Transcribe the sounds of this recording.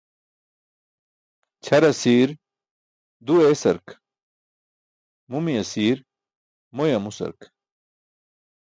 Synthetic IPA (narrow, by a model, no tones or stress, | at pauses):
t͡ɕʰɐɾɐsiːɾ | d̪ueːsɐ̰ɾk | mumijɐsiːɾ | mojɐmusɐ̰ɾk